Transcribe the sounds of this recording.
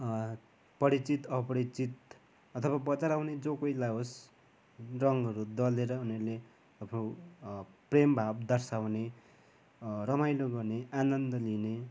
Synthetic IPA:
pʌɾit͡sit̪ʌpʌɾit͡sit̪̚ | ʌt̪ʰʌbabʌt͡saɾawned͡zokʌjlaɦos | rʌŋɡʌɾud̪ʌleɾʌuneɾle | ʌpʰɾo | prembʱabd̪ʌrsawne | rʌmajloɡʌrneanʌnd̪ʌline

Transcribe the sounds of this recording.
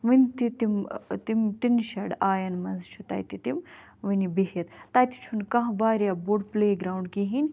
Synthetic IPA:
ʋinʲt̪it̪imt̪imʈinʃɐɽaːjɐnmɐnzt͡ʃʰut̪ɐ̰ːjt̪it̪im | ʋinibiɦjɐt̪t̪ɐːjt̪i̥t͡ʃʰunkɐ̃ɦʋaːɾʲjaboɖpleːɡɾaːuɳɖ̚kiɦinʲ

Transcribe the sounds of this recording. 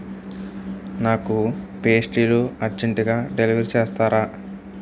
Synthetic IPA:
naːkupe̞ːsʈiːluɐɾd͡ʒeɳʈiɡaːɖeliːʋɐɾt͡ʃeːst̪aːɾaː

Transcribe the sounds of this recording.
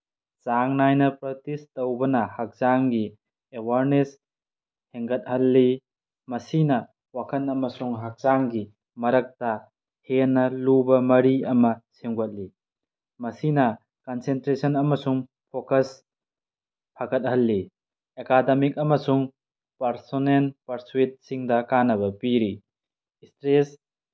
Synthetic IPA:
saŋnajnɐpɾɐtistɐwbɐnɐhak̚zaŋɡi | ewaɾnes | heŋɡɐt̚hɐlːi | mɐsinɐ | wakʰɐnɐmɐsuŋɦak̚zaŋɡi | mɐɾɐk̚tɐ | henːɐlubɐmɐɾiɐmɐseŋɡɐt̚li | mɐsinɐ | kɐnsentɾesɐnɐmɐsuŋ | pʰokɐs | pʰaɡɐt̚hɐlːi | ekademik̚ɐmɐsuŋ | pɐɾsonelpɐɾsuwit̚siŋdɐkanɐβɐpiɾi | stɾes

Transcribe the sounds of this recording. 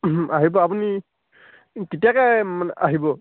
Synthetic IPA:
aɦibɔapuni | kitijakɛmanɛaɦibɔ

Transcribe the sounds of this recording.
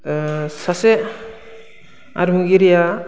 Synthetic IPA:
sase | a̰ɾmuɡiɾija

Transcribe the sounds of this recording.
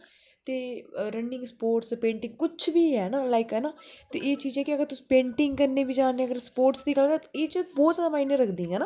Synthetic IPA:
t̪eːɾəɳɖɪ̃ŋɡspoːɾʈspẽːɳʈɪ̃ŋɡ̚kʊt͡ʃʰʋiːɦɛːnaːlaːɪkɦɛːnaːt̪eːʔeːt͡ʃiːd͡ʒɛːkɪəɡəɾt̪ʊsĩ̥ːpẽːɳʈɪŋɡkəɾneːʋiːd͡ʒaːneːəɡəɾspoːɾʈsd̪iːɡəlkəeːt͡ʃbɔːt̪zjaːd̪aːmaːiːnəɾəkʰd̪ĩːɛːnaː

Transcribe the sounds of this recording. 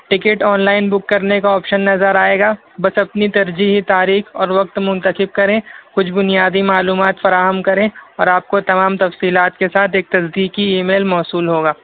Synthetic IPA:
ʈɪkeʈɔːnlaːɪnbʊkːɐɾnekaɔːpʃənːɐzəɾaːeːɡaː | bɐsɐpnit̪ɐɾd͡ʒiɦit̪aːɾiːxɔːɾʋɐk̚t̪mʊ̃nt̪əxɪb̚kɐɾẽːkʊt͡ʃʰbʊnijaːd̪imaːluːmaːt̪fɐɾaːɦəmkɐɾẽɔːɾaːp̚kot̪ɐmaːmt̪ɐfsiːlaːt̪kesaːt̪ʰeːk̚t̪ɐsd̪iːkiiːmeːlmɔːsuːlɦoːɡaː

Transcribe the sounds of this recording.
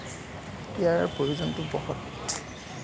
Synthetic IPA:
ijaɹpɹojuzɔntʊbɔxɔt

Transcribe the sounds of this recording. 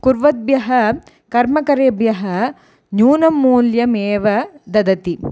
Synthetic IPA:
kuɾʋɐd̪̚bjɐɦɐ | kɐɾmɐkɐɾeːbjɐɦɐ | njuːnɐmːuːljɐmeːʋɐd̪ɐd̪ɐt̪i

